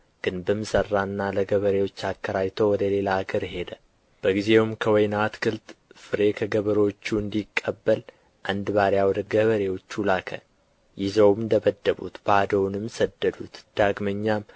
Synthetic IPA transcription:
ɡ̥ɨnbəmɨsərːanːaləɡəβəɾe̞wo̞t͡ʃːakʰːəɾajt̪ʰowɔd̪əle̞laːɡəɾhe̞d̪ə | b̥əɡize̞wmkʰəwɔjnat̪kʰɨlt̪fɨɾe̞kʰəɡəβəɾwot͡ʃːuɨnd̪ikʼːəbːəl | ʔand̪baɾjawɔd̪əɡəβəɾe̞wo̞t͡ʃːulakʰə̰ | jɪzəwmɨnd̪əbəd̪ːəβṵt̪bad̪əwnɨmsəd̪ːəd̪ut̪d̪̥aɡməɲːam

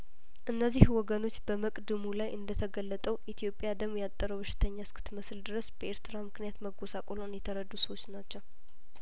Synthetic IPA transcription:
ʔɨnːəzːihwɔɡəno̞t͡ʃːbəməkʼd̪ɨmulajʔɨnd̪ət̪ʰəɡəlːət̪ʼəwʔit̪ʰijo̞pʼːjad̪əmjat̪ʼːəɾəwbɨʃɪ̥t̪ʰəɲːaskʰɨ̥t̪məsɨld̪ɨɾəsb̥əʔe̞ɾt̪ʰɨɾamɨknijat̪məɡosakʼolonjɛt̪ʰəɾəd̪ːusəwo̞t͡ʃːnat͡ʃːəw

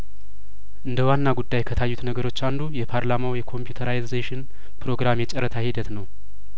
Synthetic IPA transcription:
ʔɨnd̪əwanːaɡud̪ːajkʰət̪ʰajːut̪nəɡəɾo̞t͡ʃːand̪ujɛpʰaɾlamawjɛkʰo̞mpjut̪ʰəɾajzeʃɪn | pɾo̞ɡɾamɛt͡ʃʼəɾət̪ʰahid̪ət̪nəw

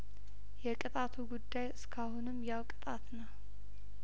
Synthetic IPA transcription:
jɛkʼɨt̪ʼat̪ʰuɡud̪ːajɨskʰahunɨmːjawkʼɨ̥t̪ʼat̪nəw

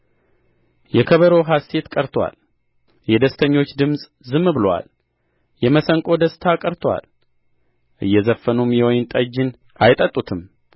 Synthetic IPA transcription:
jɛkʰəβəɾoɦase̞t̪kʼəɾt̪ʰwa̰l | jɛd̪əst̪ʰəɲːo̞t͡ʃːd̪ɨmsʼ | zɨmːbɨlowa̰l | jɛməsəŋkʼo̞d̪əst̪ʰakʼəɾt̪ʰwa̰l | ʔɨjːɛzəfːənumjɛwɔjɪnt̪ʼəd͡ʒːɪn | ʔajt̪ʼət̪ʼut̪ʰɨm

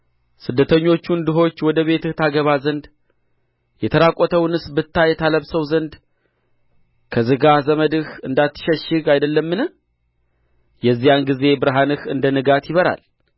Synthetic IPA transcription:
sɨd̪ːət̪ʰəɲːo̞t͡ʃːund̪ɨɦo̞t͡ʃːwɔd̪əβe̞t̪ɨht̪ʰaɡəβazənd̪ | jɛt̪ʰəɾakʼɔt̪ʰəwnɨsbɨt̪ːajɛt̪ʰaləβsəwzənd̪ | kʰəzɨɡazəməd̪ɨhɨnd̪at̪ʰːɨ̥ʃəʃːɪɡajd̪əlːəmːɨnɨ | jɛzːijanɡize̞bɨɾɦanɨhɨnd̪ənɨɡat̪jɪβəɾa̰l

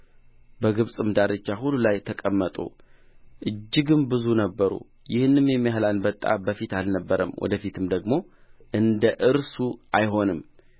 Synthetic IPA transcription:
bəɡɨβsʼɨmd̪aɾɨt͡ʃːaɦulːulajt̪ʰəkʼəmːət̪ʼṵ | ʔɨd͡ʒːɪɡɨmbɨzunəbːəɾṵ | jɪhnːɨmjemijaɦlanbət̪ʼːa̰bəfit̪alnəbːəɾə̰mwʔɔ̰d̪əfit̪ʰɨmd̪əɡmo̞ʔɨnd̪əʔɨɾsuʔajɦo̞nɨm

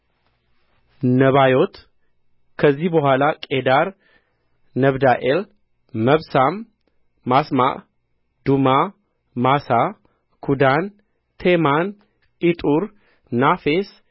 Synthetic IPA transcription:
nəβajo̞t̪ | kʰəzːihbəhʷalakʼed̪aɾ | nəβd̪aʔel | məβsamː | asma̰ʔ | d̪uma | masa | kʰud̪an | t̪ʰeman | ʔit̪ʼuɾ | nafes

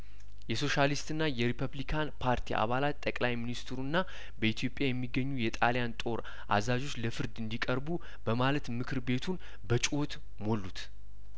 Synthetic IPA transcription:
jɛso̞ʃalist̪ʼɨnːajɛɾipʰəβlikʰanpʰaɾt̪ʰiʔa̰βalat̪t̪ʼːəkʼlajminist̪ʰɨɾunːa | bəit̪ʰjo̞pʼːjajɛmːiɡːəɲːujɛt̪ʼaljant̪ʼo̞ɾ | ʔa̰zazo̞t͡ʃːləfɨɾd̪ɨnd̪ikʼəɾbu | b̥əmalət̪mɨkʰɨɾbe̞t̪ʰun | bət͡ʃʼwo̞t̪ | mo̞lːut̪

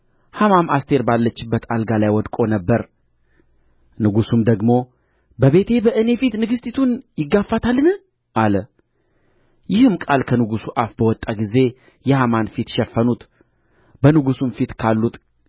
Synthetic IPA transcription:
hamamast̪ʰe̞ɾbalːət͡ʃːɪbːət̪alɡalajwɔd̪kʼo̞nəbːəɾ | nɨɡusumd̪əɡmo̞ | bəβe̞t̪ʰe̞bəʔɨne̞fit̪nɨɡɨst̪ʰit̪ʰunjɪɡːafːat̪ʰalːɨnɨ | ʔalə | jɪhɨmkʼalkʰənɨɡusuʔafbəwɔt̪ʼːaɡize̞ | jɛhamanfit̪ʃɛfːənut̪ | bənɨɡusunfit̪kʰalːut̪

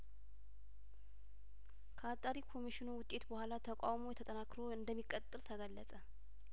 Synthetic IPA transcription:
kʰəat̪ʼːaɾikʰo̞miʃɪnuwʊt̪ʼːe̞t̪bəhʷalat̪ʰəkʼawmo̞jɛt̪ʰət̪ʼənakɾo̞ɨnd̪əmːikʼːət̪ʼːɨlt̪ʰəɡəlːəsʼə

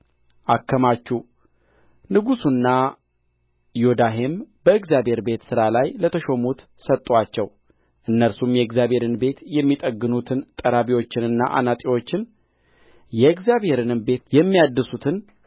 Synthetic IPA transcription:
ʔakːəmat͡ʃːu | nɨɡusunːa | jod̪aɦe̞mb̥əɨɡzjabhe̞ɾbe̞t̪sɨɾalajlət̪ʰəʃo̞mut̪ | sət̪ʼːwat͡ʃːɛw | ʔɨnːəɾsumjɛɨɡzjabhe̞ɾɨnbe̞t̪jɛmːit̪ʼəɡːɨnut̪ʰɨnt̪ʼəɾaβiwo̞t͡ʃːɪnɨnːa̰ʔa̰nat̪ʼiwo̞t͡ʃːɪn | jɛkzjaβhe̞ɾɨnɨmbe̞t̪jɛmːijad̪ːɨsut̪ʰɨn

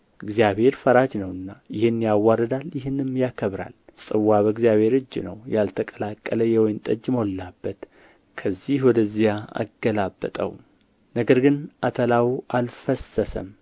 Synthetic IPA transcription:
ʔɨɡzijabhe̞ɾfəɾad͡ʒnəwɨnːajɪhɨnjawːaɾəd̪aljɪɦɨnɨmjakʰəβɾa̰lsʼɨwːaβəɡzjaβhe̞ɾɨd͡ʒːnə̰wjalt̪ʰəkʼəlakʼːələjɛwɔjnt̪ʼəd͡ʒːmo̞lːabːət̪ | kʰəzːihwɔd̪əzjaa̰ɡːəlabːə̰t̪ʼə̰w | nəɡəɾɡɨnʔat̪ʰəlawʔalfəsəsə̰m

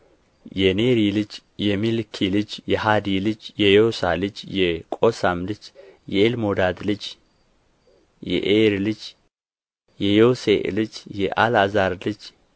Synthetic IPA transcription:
jɛneɾilɨt͡ʃ | jɛmilkʰilɨt͡ʃːjɛhad̪ilɨt͡ʃːjɛjosa̰lɨt͡ʃːjɛkʼosamlɨt͡ʃːjɛelmod̪ad̪lɨt͡ʃ | jɛ̰ʔeɾlɨt͡ʃ | jɛjowseʔlɨt͡ʃjɛʔalazaɾlɨt͡ʃː

